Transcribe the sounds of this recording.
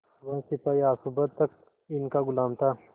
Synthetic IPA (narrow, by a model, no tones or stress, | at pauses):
ʋɐ̃sipajaːsubət̪ːɐk̚ | ɪnkaɡʊlaːmt̪aː